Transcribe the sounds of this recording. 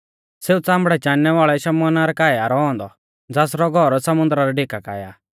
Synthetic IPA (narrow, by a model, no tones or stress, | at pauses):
seːut͡sãːmbɽɛt͡ʃãːnːɛʋaːɭɛʃɐmɔnaɾɛkaːjaɾɔɔ̃ːnd̪ɔ | d͡zaːsɾɔɡʱɔɾsɐmʊ̃nd̪ɾaɾɛɖeːkaka̰ːja̰ː